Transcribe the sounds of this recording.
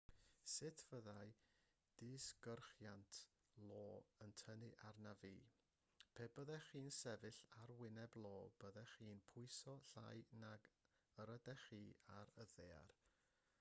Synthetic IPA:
sɪtʰv̥əðaj | d̥ɪsɡ̥ərχjantʰ | lˠoːəntʰənɨʔarnaviː | pʰebəðɛχiːnsɛvɨɬaɾwɪnɛblˠoːb̥əðɛχiːnpʰʊɨsɔɬa̰jnaɡ | əɾədɛχiːaɾəðea̰r

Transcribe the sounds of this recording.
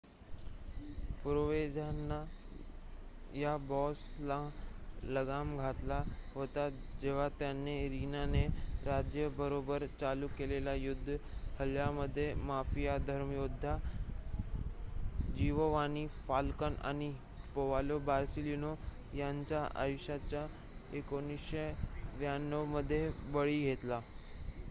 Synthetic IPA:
pɾoʋed͡zanːa | jabɔslaləɡamɡʱat̪laɦot̪ad͡ʑeʋ̤at̪janːeɾinaneɾad͡ʑjəbəɾobəɾt͡salukelelajud̪ʱːhəljaməd̪ʱːjemafijad̪ʱəɾmjod̪ʱːa | d͡ʑiʋoʋanifalkəna̰ñi | poʋalobaɾsilino | jaɲt͡ɕjaʔa̰juɕat͡ɕja | ekonisɕeʋjanːəʋməd̪ʱːjebəɭiːɡʱet̪la

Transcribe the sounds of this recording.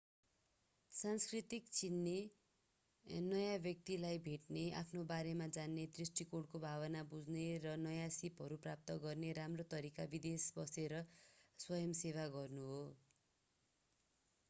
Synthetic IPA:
sanskrit̪ikt͡sinːe | nʌjãbjʌk̚t̪ilajbʱeʈnea̰pʰnobaɾemad͡zanːed̪risʈikoɽkobʱaβʌnabud͡zneɾʌnʌjãsipɦʌɾuprap̚t̪ʌɡʌrneɾamrot̪ʌɾikabid̪esbʌseɾʌswʌjʌmseβaɡʌrnuɦo

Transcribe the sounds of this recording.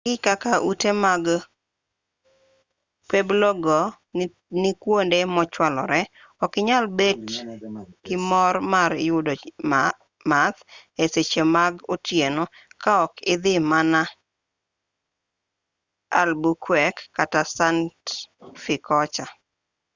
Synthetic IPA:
ɡɪkakaʔutemaɡ | peblɔɡɔ | nɪkwondemɔt͡ʃwalɔ̰ɾɛ | ɔkɪɲalbed | kɪmɔrmaɾjʊdo | mat̪eset͡ʃemaɡotjenokaɔkɪd̪ɪmana | a̰lbukwɛkːatasantfɪkɔt͡ʃa

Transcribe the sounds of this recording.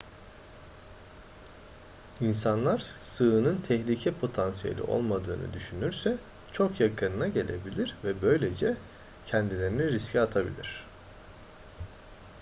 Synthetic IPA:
insanlˠaɾ̥sɯɯnɯnt̪ʰɛçlʲicʰɛpʰo̞t̪ʰansijḛlʲḭʔo̰lˠmad̪ɯːnɯ̰d̪yʃynyɾsɛ | t͡ʃʰo̞kjakʰɯnɯnaɟe̞lʲe̞bilʲiɾvɛbø̞jlʲe̞d͡ʒɛ | cʰɛnd̪ilʲe̞ɾiniɾiscʰɛat̪ʰabḭlʲiɾ̝̥

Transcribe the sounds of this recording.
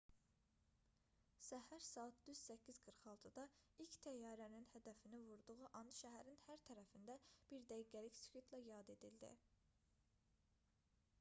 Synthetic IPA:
sæhæɾsɑːɑt̪̚d̪yz̥sæcʰːizɡɯɾχɑlˠt̪ʰɯd̪ɑilct̪ʰæjːɑːɾæninhæd̪æfinivuɾd̪uʁuʔɑnʃæɦæɾinhæɾt̪ʰæɾæfind̪æb̥iɾd̪æjɡæliçskʰit̪ʰlæjɑd̪e̞d̪ild̪ḭ

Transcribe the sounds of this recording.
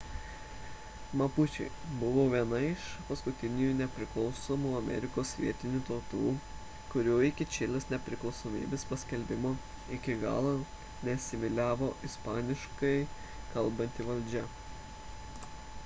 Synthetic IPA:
mɐpʊt͡ʃʲɛ̰ɪbʊʋoːʋʲiɛnɐɪʃpɐskʊt̪ʲɪnʲɪjunʲɛpʲɾʲɪklˠɒʊsoːmuɐmʲɛ̰ɾʲɪkoːsʋʲḭɛt̪ʲɪnʲuːt̪oːt̪uː | kʊɾʲuːɪkʲɪt͡ʃʲɪlʲɪsnʲɛpʲɾʲɪklˠɒʊsoːmʲḭːbʲeːspɐsʲkʲɛlʲbʲɪmoː | ɪkʲɪɡɑ̰ːlˠo | nʲɛt̪ʲsʲɪʋʲɪlʲæːʋoːʔɪspɑːnʲɪʃkɐɪ | kɐlˠbɐnʲt̪ʲɪʋɐlʲd͡ʒʲɛ

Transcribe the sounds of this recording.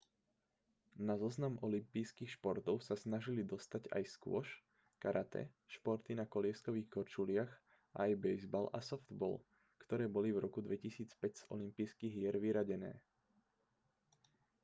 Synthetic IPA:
nazɔznamɔlimpiːskiːxʃpɔɾt̪ɔʊsasnaʒilid̪ɔst̪aɟa̰jskʊɔ̰ʃ | kaɾʔat̪ɛ̰ | ʃpɔɾt̪inakɔlɪɛskɔʋiːxkɔɾt͡ʃulɪaɣ | ʔa̰ːjbɛjzbalʔa̰sɔfd̪̥bɔ̰l | kt̪ɔɾɛːbɔlivɾɔkud̪ʋɛcisiːt͡spɛɟz̥ɔ̰limpijskiɣɪɛɾʋiɾaɟɛnɛ̰ː

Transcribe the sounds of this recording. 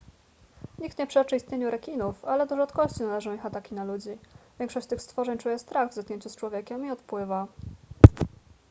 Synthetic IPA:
ɲik̚t̪ɲɛpʂɛt͡ʂɘist̪ɲeɲuɾɛkʲinufalɛd̪ɔʐat̪kɔɕt͡ɕinalɛʐɔ̃w̃ixat̪akʲinalud͡ʑivʲjɛŋkʂɔɕt͡ɕt̪ɘxst̪fɔʐɛɲt͡ʂujɛst̪ɾaɣvzat̪kɲeɲt͡ɕust͡ʂwɔvʲjɛkʲɛmiɔt̪pwɘva

